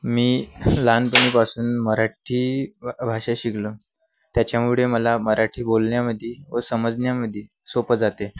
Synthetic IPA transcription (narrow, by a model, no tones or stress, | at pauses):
miːlanpəɳ̃iːpasuːnməɾaʈʰiːbʱaʂaɕiɡlə | t̪jat͡ɕjamuɭeməlaməɾaʈʰiːbolɳjaməd̪ʱːjeʋəsəməd͡zɳjaməd̪ʱje | sopəd͡zat̪e